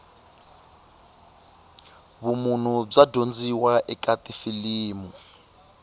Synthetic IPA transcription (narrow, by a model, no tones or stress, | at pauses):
βumun̤ub͡ʐadond͡ziwaʔɛkʼatʼifiliːmu